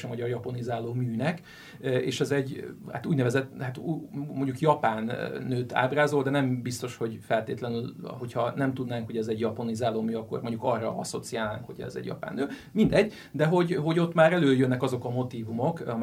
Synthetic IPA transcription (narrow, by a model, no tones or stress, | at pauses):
ɛmɒɟɒrjɒpɒnizaːloːmyːnɛk | ḛːʃɛzɛɟha̰t̪uːɟnɛvɛzɛt̪ːhat̪umo̞ɲɟukjɒpaːnːøːt̪a̰ːbraːzo̞ld̪ɛnɛmbist̪o̞ʃho̞ɟfɛlt̪eːt̪lɛnylɦo̞chɒnɛmt̪ud̪naːŋkhoɟɛzɛɟjɒponizaːloːmyːɒkːo̞̰rmo̞ɲɟukɒrːɒ̰ɒ̰so̞t̪sijaːlːaːŋkhoɟɛ̰zɛ̰ɟjɒ̰pa̰ːnːøː | mind̪ɛɟː | d̪ɛɦo̞ɟɦo̞ɟo̞t̪ːmaːɾɛløːjønːɛkɒzo̞kɒmo̞t̪iːvumokɒm